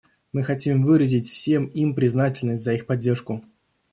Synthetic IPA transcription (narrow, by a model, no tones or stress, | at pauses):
mɨxɐtʲimvɨɾəzʲɪtʲfsʲe̞mimpɾʲɪznatʲɪlʲnəsʲtʲzəixpɐdʲːe̞rʂkʊ